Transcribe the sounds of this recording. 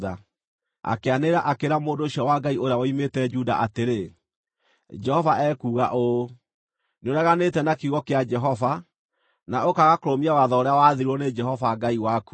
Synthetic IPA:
ða | a̰keaneɾaʔakeɾamoːndoːʃɔwaɡaioɾeawɔimetɛd͡ʒuda̰ʔateɾe | d͡ʒɛhɔvaʔɛkuːɣaʔo | neoɾaɣanetɛnakiɣɔkead͡ʒɛɦɔva | naokaɣakoɾomiawaðɔoɾeawaðiɾɔned͡ʒɛɦɔvaɡaiwaku̥

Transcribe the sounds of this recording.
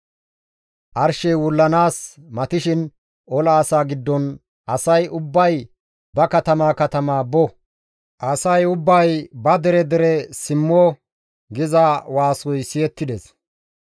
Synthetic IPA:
ʔɐɾʃɛjwʊlːɐnaːsmɐt̪ɪʃɪn | ʔɔlɐːsaːɡɪd̪ːɔn | ʔɐsɐjʔʊbːɐj | bɐkɐt̪ɐmaːkɐt̪ɐmaːbɔ | ʔɐsɐjʊbːɐjbɐd̪ɛɾɛd̪ɛɾɛsɪmːɔ | ɡɪzɐwaːsɔjsɪjɛt̪ːɪd̪ɛs

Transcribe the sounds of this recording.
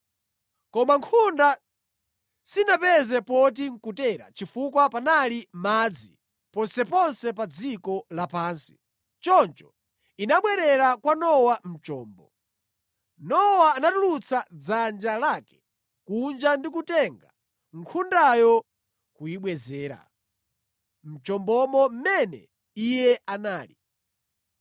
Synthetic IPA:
kɔmaŋkʰunda | sinapɛzɛpɔt̬iŋ̩kutɛːɾa̰t͡ʃifukwapanalimaːd͡zi | pɔnsɛpɔnsɛpad͡zikɔlapaːnsi̥̰ | t͡ʃɔnt͡ʃɔ̥ | inaɓwɛɾɛɾakwanɔwam̩t͡ʃɔːmbɔ | nɔwaːnatulut͡sʰad͡zand͡ʒalaːkɛ̥ | kund͡ʒandik̬utɛŋɡa | ŋkʰundajɔ | kujiɓwɛzɛːɾa̰ | m̩t͡ʃɔmbɔmɔm̩mɛnɛ̰ | ijɛʔanaːli

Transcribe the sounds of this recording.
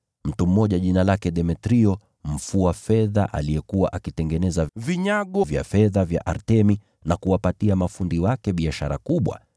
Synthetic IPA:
m̩tum̩ːɔʄaʄinalakɛɗɛmɛtɾiɔ | m̩fuafɛða̰ʔa̰lijɛkuwa̰ʔakitɛŋɡɛnɛzaviɲaɠɔvja̰fɛðavja̰ʔaɾtɛmi | nakuwapatiamafundiwakɛɓiaʃaɾakuɓwa̰

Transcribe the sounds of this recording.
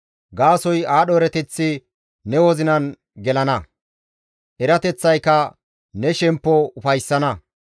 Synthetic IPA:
ɡaːsɔjaːɗɔɾɛt̪ɛt͡sːɪ | nɛwɔzɪnɐn | ɡɛlɐnɐ | ʔɛɾɐt̪ɛt͡sːɐjkːɐ | nɛʃɛmpːɔʊfɐjsːɐnɐ

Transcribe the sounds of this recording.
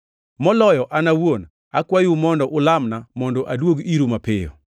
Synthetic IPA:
mɔlɔjɔʔanawon | akwajumɔndɔʔʊlamnamɔndɔʔadwoɡiɾumapɪjɔ̰

